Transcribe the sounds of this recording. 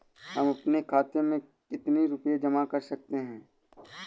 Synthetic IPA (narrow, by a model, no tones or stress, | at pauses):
hɐmɐpnekʰaːt̪emẽ | kɪt̪neɾʊpjed͡ʒɐmakɐɾsɐk̚t̪eɦɛ̃ː